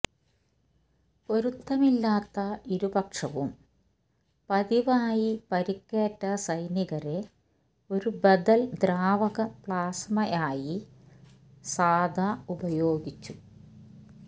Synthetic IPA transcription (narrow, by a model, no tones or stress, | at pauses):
po̞ɾut̪ːɐmilːaːt̪ːɐiɾubɐkʂɐʋum | pɐðiʋaːjipɐɾikːeːʈːɐsɐjniɣɐɾe̞ | o̞ɾubɐd̪ɐld̪ɾaːʋɐɣɐpɭaːsmɐjaːji | saːd̪ʱaubɐjo̞ːɡit͡ɕːu